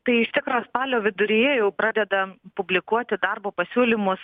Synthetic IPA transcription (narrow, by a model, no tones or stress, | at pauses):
t̪ɐɪɪʃt̪ʲɪkɾɐspɑːlʲoːʋʲɪd̪ʊɾʲɪjɛjɛʊpɾɑːd̪ʲɛd̪ɐpʊbʲlʲɪkuɔt̪ʲɪd̪ɑrboːpɐsʲuːlʲɪmʊs